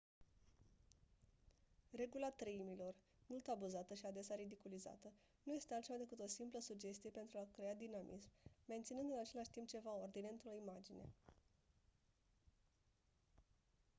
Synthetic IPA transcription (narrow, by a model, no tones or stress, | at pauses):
re̞ɡulat̪ɾəimilo̞r | mult̪abuzat̪əʃiad̪e̞saɾid̪ikuliza̰t̪ə | nuje̞st̪ealt̪t͡ʃevad̪ekɨt̪o̞simpləsud͡ʒe̞st̪ije̞pe̞nt̪ɾuakɾe̞ad̪inamʔḭsmːe̞nt̪sinɨnd̪ɨnat͡ʃe̞laʃʲt̪imp̚t͡ʃe̞vaoord̪ine̞ɨnt̪ɾo̞imad͡ʒine̞̰